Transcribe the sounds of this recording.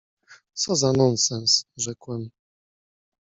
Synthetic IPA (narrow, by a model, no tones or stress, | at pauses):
t̪sɔzanɔnsɛnsʐɛkwɛm